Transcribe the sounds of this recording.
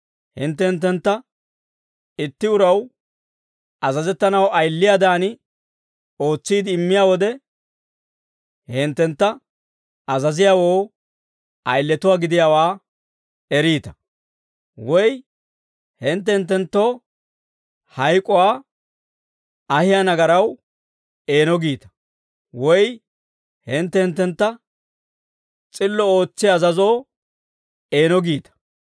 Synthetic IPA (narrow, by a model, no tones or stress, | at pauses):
hɪ̰nt̪̬ːɛhnt̪̬ːɛnt̪ːɐ | ɪt̪ːɪʊɾɐw | ɐzɐzɛt̪ːɐnɐwɐjlːɪjaːd̪aːnɪ | o̞ːt͡sːiːd̪ɪːmːɪjaːwɔd̪ɛ | hɪnt̪ːɛnt̪ːɐ | ɐzɐzɪjaːwoː | ʔɐjlːɛt̪ʊwaːɡɪd̪ɪjaːwaː | ɛɾiːt̪ɐ̥ | wɔj | hɪnt̪ːɛhɪnt̪ːɛnt̪ːo̞ː | hɐjkʼɔwaː | ɐhɪjanɐɡɐɾɐw | e̞ːnɔɡiːt̪ɐ̥ | wɔj | hɪnt̪ːɛhɪnt̪ːɛnt̪ːɐ | t͡sʼɪlːɔoːt͡sːɪjːzɐzoː | e̞ːnɔɡiːt̪ɐ̥